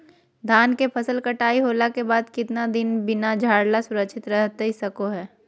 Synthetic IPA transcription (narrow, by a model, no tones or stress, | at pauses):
d̪ʱaːnkepʰɐsəlkɐʈaːiɦoːlakebaːd̪kɪt̪nad̪ɪnbɪnad͡ʒʱaːɽlasʊɾəkʃʰɪt̪ɾɛɦt̪eɦisɐkoɦɛː